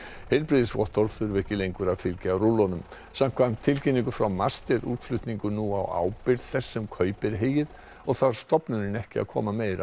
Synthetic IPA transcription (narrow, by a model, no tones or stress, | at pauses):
hɛjlpɾɪðɪsvɔ̰ht̪ɔɾθʏɾvɛhcɪlejŋkʏɾaðfɪlcɪawɾulɔnʏm | sam̥kʰvan̥t̪ʰːɪlciniŋkʏfɾawmast̪ɛɾṵːt̪flʏt̪niŋkʏnuawa̰ːwpɪɾðθɛsːʏmkʰœːɥpɪɾɦeːjɪð | ɔɣθaɾ̥st̪ɔpnʏɾɪnɛhcɪa̰ðkʰɔ̰ːmameːjɾa̰